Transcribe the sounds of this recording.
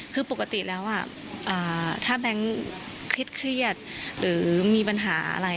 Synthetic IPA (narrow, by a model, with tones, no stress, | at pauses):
kʰɯː˧po˨˩kːa˧t̪i˨˩lɛː˦˥wʔa˥˩ | ʔɤː˨˩t̪ʰaː˥˩bɛ˦˥ŋ | kʰɾi˦˥t̪̚kʰɾi˥˩ət̪̚ɾɯː˩˦miː˧pa˧nɦaː˩˦a̰˧ɾa˧j